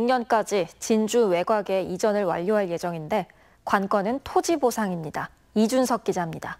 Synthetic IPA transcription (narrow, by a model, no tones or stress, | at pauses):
juŋɲʌnk͈ad͡ʑit͡ɕind͡ʑuwe̞ɡwaɡe̞id͡ʑʌnɯɭwa̰ʎːoɦaɭje̞d͡ʑʌŋinde̞ | kwank͈wʌnɯntʰod͡ʑibosʰaŋimɲida | id͡ʑunsʰʌk̚k͈id͡ʑamɲida